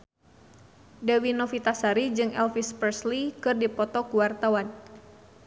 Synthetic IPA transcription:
dɛwinɔfit̪asaɾid͡ʒɨŋɛlfispərslikɨrdipɔt̪ɔkuwart̪awan

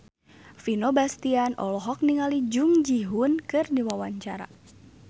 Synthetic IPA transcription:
finobast̪ianʔɔ̰lɔɦɔk̚niŋalid͡ʒuŋd͡ʒiɦunkɨrdiwawaɲt͡ʃaɾa̰

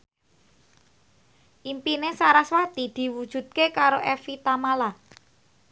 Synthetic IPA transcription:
ʔimpinesaɾaswat̪id̪̥i̤wud̥ʒ̥ṳd̪̥̚kekaɾoʔefit̪amala

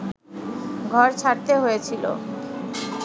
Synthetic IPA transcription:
ɡʱɔɾt͡ɕʰaɾ̚t̪eɦojet͡ɕʰilo̰

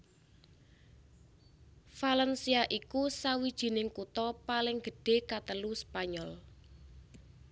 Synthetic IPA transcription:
falɛnsiaʔikusawid̥ʒ̥i̤nɪŋkut̪ɔpalɪŋɡ̥ə̤ɖ̥e̤kat̪əluspaɲɔl

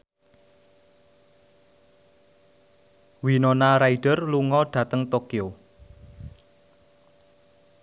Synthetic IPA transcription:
winonaɾaiɖ̥ərluŋɔɖ̥ä̤t̪əŋt̪okio

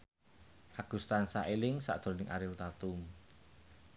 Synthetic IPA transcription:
ʔaɡ̥ṳst̪ansaʔelɪŋsa̰ʔd̥ʒ̥ɾ̤ɔ̤nɪŋʔa̰ɾɪwt̪at̪um

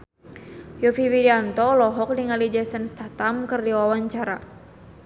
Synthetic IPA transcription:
jɔfiwiɾiant̪ɔlɔɦɔk̚diŋalid͡ʒɛsənst̪at̪amkɨrdiwawaɲt͡ʃaɾa̰

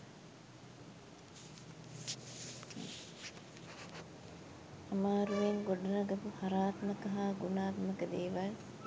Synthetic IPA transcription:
amaːɾuʋeŋɡoɖunɐɡəpuhaɾaːt̪məkɐɦaːɡunaːt̪məkəd̪eːʋal

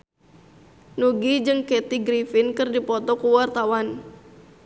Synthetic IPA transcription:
nuɡid͡ʒɨŋkɛt̪iɡɾifɪnkɨrdipɔt̪ɔkuwart̪awan

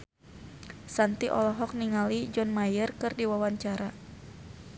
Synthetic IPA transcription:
sant̪iʔɔlɔɦɔk̚niŋalid͡ʒɔnmajərkɨrdiwawaɲt͡ʃaɾa

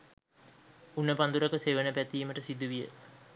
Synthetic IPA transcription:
unːəpand̪uɾəkəseːʋənəpæt̪iːməʈəsid̪uʋijə̰

